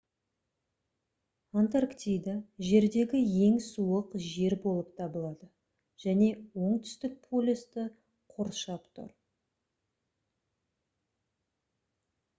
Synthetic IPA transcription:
ant̪arkt̪ʲijd̪aʒe̞ɾd̪e̞ɡʲɪje̞ŋsuəqʒe̞ɾbo̞lˠəp̚t̪ʰɑbəlˠɑd̪ə | ʒ̥æne̞wo̞ɴt̪ʰʏ̥st̪ɪk̚pʰolʲist̪ɪ | qʰoɾʃɑpt̪ʰʊ̰ɾ

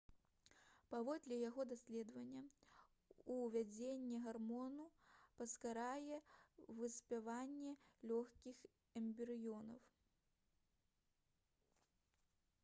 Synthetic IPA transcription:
pavɔd̪lʲɛjaɣɔd̪asʲlʲɛd̪vɐnʲːɐ | uvʲad͡zʲenʲːɛɣarmɔnupɐskaɾajɛvɨsʲpʲavanʲːɛlʲɔxkʲix | ɛmʲbʲɛɾɨjɔnɐw

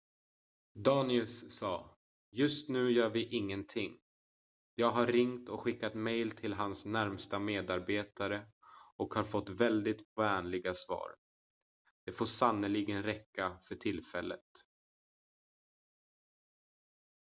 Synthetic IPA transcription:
d̪ɑːnɪɵsːɑː | jɵst̪nʉ̟ːjœːɾvɪʔɪŋːənt̪ʰɪŋː | jɑːɡɦaɾɾɪŋt̪ɔkɧɪkːat̪mɛjlt̪ʰɪlɦansnæɾmst̪ameːd̪aɾbeːt̪ʰaɾə | ɔkhaɾfɔt̪ːvɛld̪ɪt̪vɛːnlɪɡasvɑ̰ːɾ | d̪̥ɛfoːʂanːəlɪɡənɾɛkːafœʈʰɪlfɛlːə̰t̪

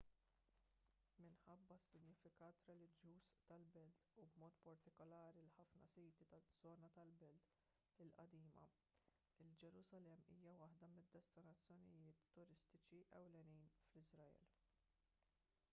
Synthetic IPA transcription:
mɪnħɐbːɐsːɪnɲɪfɪkɐːt̪ɾɛlɪd͡ʒjuːst̪ɐlbɛlt̪ubmɔːt̪pɐɾt̪ɪkɔlɐːɾilħɐfnɐsiːt̪it̪ɐz̥ɔːnɐt̪ɐlbɛlt̪ | ɪlʔɐ̰d̪iːmɐ̰ | ɪld͡ʒɛɾʊzɐlɛmːḭːjɐwɐħd̪ɐmɪd̪ːɛst̪ɪnɐt͡sːjɔnɪjɪːt̪ːʊɾɪst̪ɪt͡ʃiʔɛ̰wlɛniːnflɪzɾɐɛ̰ːl

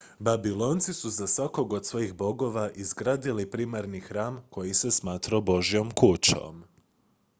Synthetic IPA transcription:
babilˠo̞nt̪sisuzasʋako̞ɡo̞d̪sʋo̞jixbo̞ɡo̞ʋaʔizɡɾaːd̪ilipɾimaɾnixɾaːmko̞jisesmaːt̪ɾabo̞ʒijo̞mkut͡ɕo̰m

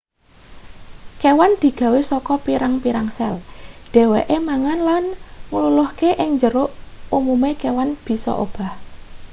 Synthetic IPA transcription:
kewand̪̥i̤ɡ̥ä̤wesɔkɔpiɾaŋpiɾaŋsɛlɖ̪̥ɛ̤weʔemaŋanlanŋululʊhkeʔɪŋɲd͡ʒəɾʊʔumumekewanb̥i̤sɔ̰ʔo̰b̥a̤h

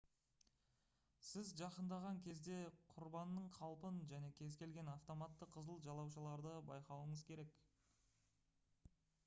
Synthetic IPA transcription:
sɪzʒɑqənd̪ɑʁɑŋkʲʰe̞zd̪e̞qʰʊɾbɑnːəɴqʰɑlˠpənʒæne̞kʲʰe̞zkʲe̞lɡʲe̞naft̪o̞mɑt̪ːəqʰːəzəlˠʒɑlˠɑwʃəlˠɑɾd̪əbɑjqɑwəɴəzkʲʰe̞ɾe̞k

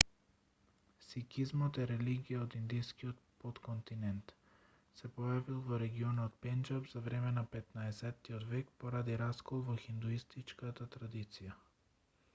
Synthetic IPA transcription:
sikizmɔt̪ɛɾɛliɡijaod̪ind̪ijskiot̪pot̪kont̪inɛnt̪ | sɛpɔjavilˠvɔɾɛɡiɔnɔt̪̚pɛnd͡ʒabz̥avɾɛmɛnapɛt̪naɛsɛt̪ːiod̪vɛkpoɾad̪iɾaskɔlˠvɔxind̪uist̪it͡ʃkat̪at̪ɾad̪it̪sija

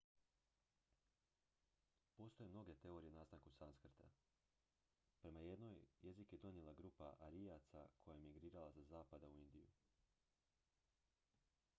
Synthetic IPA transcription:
po̞st̪o̞jemno̞ɡe̞t̪e̞o̞ɾijenaːsaŋkusanskr̩t̪a̰ | pɾe̞maje̞d̪no̞jje̞zikje̞d̪o̞nje̞lˠaɡɾuːpa̰ʔaɾijat̪sa̰kʰo̞jajemiɡɾiːɾalazazaːpad̪auind̪ijṵ

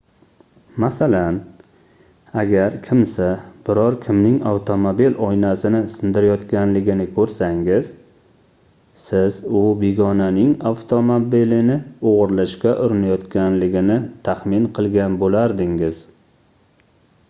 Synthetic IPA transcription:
masalan | aɡʲaɾkʲʰɪmsab̥ɪɾɒɾkʲʰɪmnɪŋawt̪ʰo̞mobilɒjnasɪnɪsɪnd̪ɪɾajɒt̪kʲanlɪɡʲɪnɪkʰɵɾsaŋɪz̥ | sɪzʊbeɡɒnanɪŋaft̪ʰomobilɪnɪoʁɾlaʃkʲaʔʊɾɪnajɒt̪kʲanlɪɡʲɪnɪt̪ʰaχmɪnqʰɨlˠɡʲanbolaɾd̪ɪŋɪz̥

